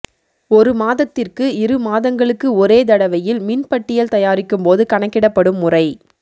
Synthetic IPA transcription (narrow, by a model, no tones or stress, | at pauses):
ɔɾɯmaːðɐt̪ːɪrkɯɪɾɯmaːðɐŋɡɐɭɯkːɯɔɾeːd̪ɐɽɐʋɐjɪlmɪnpɐʈːɪjɐlt̪ɐjaːɾɪkːɯmpoːðɯkɐɳɐkːɪɽɐpːɐɽɯmːʊrɐɪ